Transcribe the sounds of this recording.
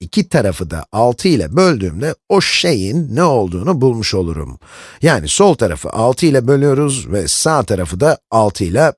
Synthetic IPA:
icʰit̪ʰaɾafɯd̪a̰alˠt̪ʰɯilˠa̰bø̞lʲd̪y̰ːmd̪ɛo̞ʃʃe̞jinːɛo̞lˠd̪uːnubulˠmuʃo̞lˠuɾṵmjaːniso̞lˠt̪ʰaɾa̰fɯ̰ʔalˠt̪ʰɯilˠabø̞lʲyjo̞ɾuzvɛsaːt̪ʰaɾafɯd̪aalˠt̪ʰɯlˠa

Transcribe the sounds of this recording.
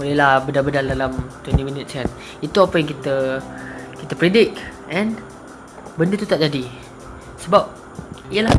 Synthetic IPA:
olɛhlahbədabədaldalamt̪wɛnt̪imĩnɪt̪̚san | it̪uapajaŋkit̪ə | kit̪apɾedɪk̚ʔɛ̃n | bəndət̪ut̪aʔd͡ʒadi | səbap̚ | iəla

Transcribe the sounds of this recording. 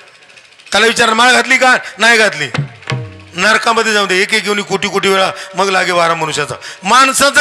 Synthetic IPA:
t̪jalaʋit͡ɕaɾnmaɭaɡʱat̪liːkanajɡʱat̪liː | naɾkaməd̪ʱːjed͡zãʋd̪eekekewniːkoʈiːkoʈiʋeɭaməɡlaɡeʋaɾam̤ːəɽũɕat͡sa̰mansãt͡s

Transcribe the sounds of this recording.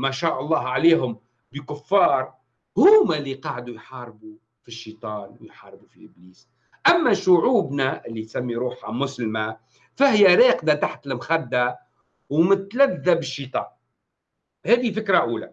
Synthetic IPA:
maʃaːʔɑlˤːɑːɦʕaleːɦʊm | bɪkʊfːɑːɾˤ | hʊːmalːiqɑːʕd̪ujħɑːɾbu | fiʃːit̪ˤɑːnwɪjħɑːɾˤbufiʔɪbliːs | ʔamːaʃʊʕuːbnaʔɪlːit̪samːiɾuːħamʊslɪma | fahɪjaɾeːqd̪at̪aħt̪lɪmxad̪ːa | wmɪt̪laðːabɪʃːiːt̪ˤɑ̰ːn | hɛːd̪ifɪkɾaʔuːla̰

